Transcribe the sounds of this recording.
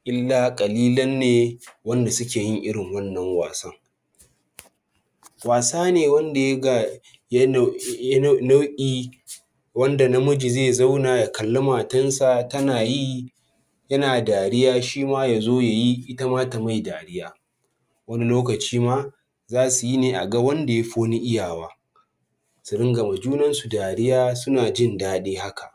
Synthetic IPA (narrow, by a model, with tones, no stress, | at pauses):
ʔɪ˦lːaː˨kʼɐ˨liː˦lɐ˦nːeː˨wɐ˦nda˨sʊ˦kʲeː˨jɪ˦ŋʔɪ˦ɽɪ˨ŋwɐ˦nːɐ˨ŋwa̰ː˨sɐ˦ŋ | waː˨saː˦neː˨wɐ˦nda˨jɐ˦ɡa˨ | j | na˦wʔʲʼiː˦ | wɐ˦nda˨na˦mʊ˦d͡ʒi˨zeː˦˨za˦wnaː˨ja˨kɐ˨lːɐ˦maː˨tɐ˦nsa˨tɐ˦naː˨ji˦ | jɐ˦naː˨daː˨ɽɪ˦jaː˦ʃiː˦maː˦ja˨zoː˦ja˨ji˦ʔɪ˦ta˦maː˦ta˨ma˦˨jdaː˨ɽɪ˦jaː˦ | wɐ˦ni˦loː˦kɐ˨t͡ʃiː˦maː˦ | zaː˦su˨ji˦neː˨ʔa̰˨ɡa˦wɐ˦nda˨ja˦ɸoː˦ni˦ʔɪ˦jaː˨waː˦ | sʊ˨ɽɪ˦ŋɡɐ˨ma˨d͡ʒuː˦nɐ˦nsu˨daː˨ɽɪ˦jaː˦sʊ˦naː˨d͡ʒɪ˦ndaː˦ɗeː˦ha˦ka˨ʔ